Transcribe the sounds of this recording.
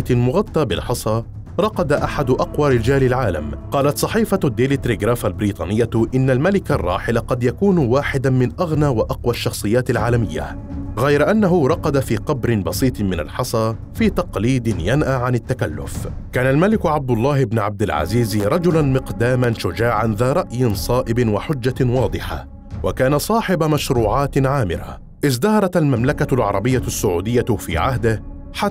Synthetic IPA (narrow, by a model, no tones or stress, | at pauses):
t̪ɪlmʊɣɑt̪ˤːɑːbɪ̰lħɑsˤɑː | ɾˤɑqɑd̪aʔaħad̪ʊʔɑqwaːɾɪd͡ʒaːlɪlʕaːla̰mqɑːlat̪sˤɑħiːfad̪ːɪlɪt̪ɾiɡɾaːfalbɪɾiːt̪ˤɑ̰ːnɪjːaʔɪnːalmalɪkarˤːɑːħɪlaqɑd̪jakuːnwaːħɪd̪amɪnʔaɣnaːwɪʔɑqwaʃːɑxsˤɨjːaːt̪alʕaːlamɪjːa̰ | ɣajɾaʔanːaɦʊɾˤɑqɑd̪afiːqɑbɾɪnbɑsˤiːt̪ˤmɪna̰lħɑsˤɑː | fiːt̪ɑqliːd̪ɪnjanʔaʕanɪt̪ːakalːʊ̰fkaːnalmalɪkʊʕab̚d̪ʊlˤːɑːhɪbnʕab̚d̪ɪlʕa̰ziːzɾˤɑd͡ʒʊlanmɪqd̪aːmanʃʊd͡ʒaːʕanðaːɾˤɑʔjɪnsˤɑːʔɪbɪnwaħʊd͡ʒːawɑːd̪ˤɨħa̰ | wʔakaːnasˤɑːħɪbmaʃɾuːʕaːt̪ʕaːmɪ̰ɾa̰ | ʔɪzd̪ɑhɑɾˤɑt̪almamlakalʕɑ̰ɾˤɑbɪjːasːʊʕuːd̪ɪjːafḭːʕa̰ɦd̪ɪh | ħa